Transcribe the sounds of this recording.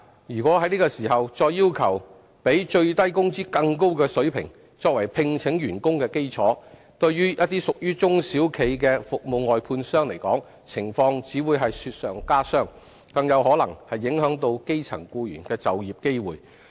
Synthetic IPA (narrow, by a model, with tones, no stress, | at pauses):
jyː˨˩kwɔː˨˥hɐ˨˥jniː˥kɔː˧siː˨˩ɦɐ˨wt͡sɔː˧jːiː˥wkʰɐ˨˩w | pe˨˥jt͡ʃɵ˧ɥt̪ɐ˥jkʊ˥ŋt͡siː˥kɐ˧ŋko˥wkɛː˧sɵ˨˥ɥpʰɪ̰˨˩ŋ | t͡sɔː˧k̚wɐ˨˩jpʰɪ˧ŋt͡sʰɪ˨˥ŋjyː˨˩nkʊ˥ŋkɛː˧ke˥jt͡sʰɔ̰ː˨˥ | t̪ɵ˧ɥɥyː˥jɐ˥t̚t̪iː˥sʊ˨k̚jyː˥t͡sʊ˥ŋsiː˨˥wkʰe˨˧jk̬ɛː˧fʊ˨k̚mo˨wŋɔː˨jpʰuː˧nsœː˥ŋle˨˩jkɔː˨˥ŋ | t͡sʰɪ˨˩ŋfɔː˧ŋt͡siː˨˥wuː˨˧jɦɐ˨jsyː˧t̚sœː˨ŋkaː˥sœː˥ŋ | kɐ˧ŋjɐ˨˧wɦɔː˨˥lɐ˨˩ŋhɐ˨jːɪ˨˥ŋɦœː˨˥ŋt̪o˧wke˥jt͡sʰɐ̰˨˩ŋkuː˧jy̰ː˨˩nkɛː˧t͡sɐ˨wjiː˨p̚ke˥jwuː˨˩j